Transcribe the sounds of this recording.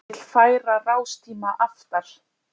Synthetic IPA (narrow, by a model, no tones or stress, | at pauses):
l̥faːjɾaraːwst̪ʰiːmaʔaft̪aɾ̥